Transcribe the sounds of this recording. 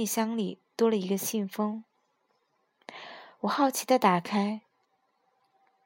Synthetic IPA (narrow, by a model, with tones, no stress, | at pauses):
ɕjɑ˥ŋli˨˩t̪wɔ˥lə˨i˧˥ɡə˧ɕi˥˩nfɤ˥ŋ | wɔ˨˩xɑ˥˩ʊt͡ɕʰi˧˥d̪ə˧t̪a˨˩kʰa˥ɪ